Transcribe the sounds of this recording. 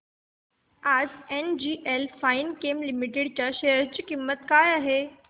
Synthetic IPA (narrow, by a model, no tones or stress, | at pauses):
ad͡zend͡ʑiːʔelfainkemlimiʈeɽt͡ɕjaɕeɦəɾt͡ɕikimːət̪kajaɦe